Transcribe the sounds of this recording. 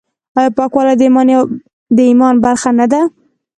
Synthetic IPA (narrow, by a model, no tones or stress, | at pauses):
ɑjɑpɑkwɑlad̪əmɑn | d̪əimɑnbaɾxanad̪a